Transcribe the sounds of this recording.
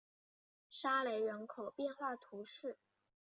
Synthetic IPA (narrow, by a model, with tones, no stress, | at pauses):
ʂa˥le˧˥ɪɻə˧˥nkʰo˨˩ʊpjɛ˥˧nxwa˥˩t̪ʰu˧˥ʂɻ̩˥˩